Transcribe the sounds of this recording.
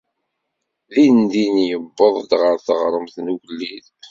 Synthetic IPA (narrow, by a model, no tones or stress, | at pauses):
ðind̪injəbːəðˤd̪ʁəɾθəʁɾˤəmθnuʝlːið